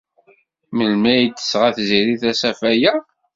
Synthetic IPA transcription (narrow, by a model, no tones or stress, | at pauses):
məlmæjd̪ə̥sʁæθziɾiθæsæfæjæ